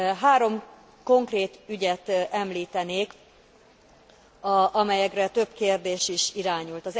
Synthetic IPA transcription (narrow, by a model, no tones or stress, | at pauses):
ɦaːɾo̞m | ko̞ŋkreːt̪yɟɛt̪ɛmliːt̪ɛneːk | ʔɒmɛjɛkrɛt̪ø̞bkeːrd̪eːʃiʃiɾaːɲult̪ɒz